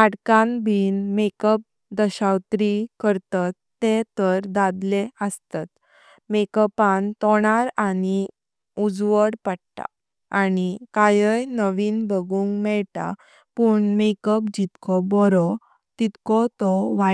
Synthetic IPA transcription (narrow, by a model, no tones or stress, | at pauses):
aɽkãnbʱiːnmekəp̚ | d̪əɕawt̪ɾikəɾt̪at̪ːet̪əɾd̪ad̪leəst̪at̪ | mekəpant̪ɔɽ̃aɾani | ud͡zʋəɽpaɽt̪a̰ | anikajəjnəʋiːnbʱəɡuːŋɡmɛɭt̪a̰ | puɳmekəpd͡ʑit̪kʰɔbɔɾɔ | t̪it̪kɔt̪ɔʋa